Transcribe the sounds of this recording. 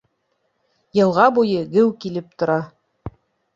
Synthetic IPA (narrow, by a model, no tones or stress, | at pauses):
jɤ̆lˠʁɑbujɤɡɘwkilɘp̚t̪ŏɾɑ